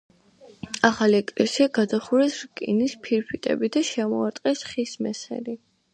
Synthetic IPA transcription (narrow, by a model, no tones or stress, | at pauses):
aχaliɛkʼlɛsiaɡad̪aχuɾɛsɾkʼḭnispʰiɾpʰit̪ʼɛ̰bid̪aʃɛmɔaɾt̪ʼqʼɛsχismɛsɛ̰li